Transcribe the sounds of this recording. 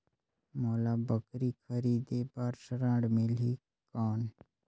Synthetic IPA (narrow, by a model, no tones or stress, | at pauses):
mɔːlaːbəkɾikʰəɾiːd̪eːbaɾsɾãːɽmeli | kaːn